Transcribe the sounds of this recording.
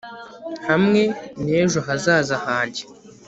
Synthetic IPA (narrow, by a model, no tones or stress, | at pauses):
hamŋe̞neːʒoɦazaːzahaːɲɟe